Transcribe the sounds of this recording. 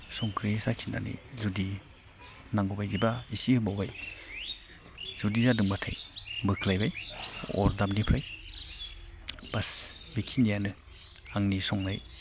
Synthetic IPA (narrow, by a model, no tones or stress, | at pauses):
sɔŋkʰɾisakʰina̰nḭzudi | naŋɡubajzibaisihɯmbawbaj | z̥udizadɯŋbatʰa̰jbɯkʰlajbajɔ̰ɾdamnipʰɾaj | b̥asbikʰindijanɯ | aŋnisɔŋnaj